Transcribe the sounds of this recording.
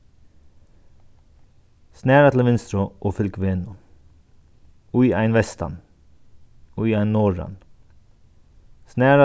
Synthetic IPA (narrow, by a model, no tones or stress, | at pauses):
snæːɾɑt̪ʰl̩ʋɪnst̪ɾʊʔoːfʏlkʋeːnʊ | ʊjæ̰ɪnʋɛst̪ɑ̰n | ʊjæɪnnoːɹɑ̰n | snæːɾɑ